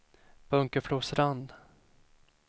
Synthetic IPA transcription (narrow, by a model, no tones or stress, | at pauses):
b̥ɵŋkəfluːsɾand̪